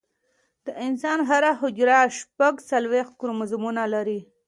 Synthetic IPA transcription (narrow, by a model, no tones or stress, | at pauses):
d̪̥əʔɪnsɑnɦaɾaɦʊd͡ʒɾaʃpaɡsalwext̪̚kʊɾomazmunalaɾi